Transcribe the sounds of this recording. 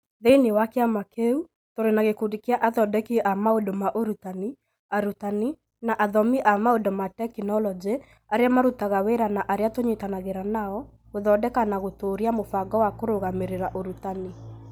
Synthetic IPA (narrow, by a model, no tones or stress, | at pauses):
ðeinewakeamakeu | toɾenaɣekudikeaʔaðɔdɛkiʔamaodomaʔoɾutani | aɾutani | naʔaðɔmiʔamaodomatɛkinɔlɔd͡ʒe | aɾeamaɾutaɣaweɾanaʔaɾeatoɲetanaɣeɾanaɔ | ɣoðɔdɛkanaɣotoɾiamofaɡɔwakoɾoɣameɾeɾaʔoɾutani